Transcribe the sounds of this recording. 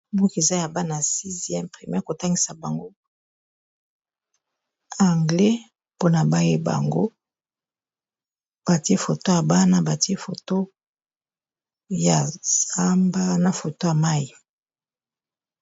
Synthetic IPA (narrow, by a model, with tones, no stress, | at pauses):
bu˦ke˨za˦ja˨ba˦na˨si˦zjɛ˦mpχe˨mjɛ˦ko˨ta˦ŋɡi˦sa˨ba˨ŋɡo˦ | a˨ŋɡlɛ˦ | po˦na˨ba˦je˦ba̰˨ŋɡo˦ | b̥a˨ti˦e˦fo˨to˦ja˨ba˦na˦ba˨ti˦e˦fo˨to˦ | ja˨za˦mba˦na˨fo˨to˦ja˨ma˦ji˨